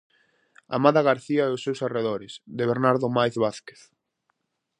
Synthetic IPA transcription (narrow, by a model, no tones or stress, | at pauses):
a̰maðaɣaɾθiaɛʊsːewsareð̞oɾɪsðeβeɾnaɾðomajθβaθke̥θ